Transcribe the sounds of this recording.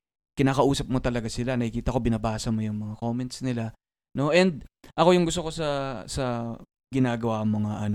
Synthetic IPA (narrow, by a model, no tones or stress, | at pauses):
kɪnaːkɐʔuːsɐp̚mo̞t̪ɐlɐɡasɪlanɐkikiːt̪ɐko̞bɪnɐbaːsɐmojʊŋmɐŋako̞ːmɛnt̪snɪla | no̞ʔɛnd̪̚ʔɐko̞jʊŋɡʊs̬t̪oko̞sɐsɐ | ɡɪnaːɡɐwamoŋaʔɐn